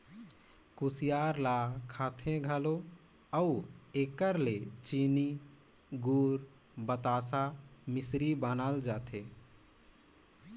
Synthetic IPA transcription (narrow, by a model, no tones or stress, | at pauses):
kusijaːɾlakʰaːt̪ʰẽɡʱəlo | əueːkəɾlet͡ʃiːni | ɡuːɾ | bət̪aːsamɪsɾibənaːld͡ʒaːt̪ʰẽ